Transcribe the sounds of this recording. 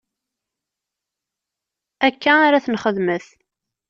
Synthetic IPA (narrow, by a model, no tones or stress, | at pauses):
ækːæaɾaθənχəðməθ